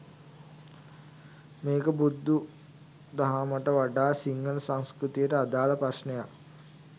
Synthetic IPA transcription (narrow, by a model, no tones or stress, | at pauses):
meːkəbud̪ːu | d̪aɦaməʈəʋaɖaːsiŋːələsaŋskɾut̪ijəʈəad̪aːləpɾasnejak